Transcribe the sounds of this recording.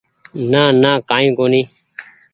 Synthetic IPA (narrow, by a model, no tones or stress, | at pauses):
naːnãːkaːĩːkoːnĩː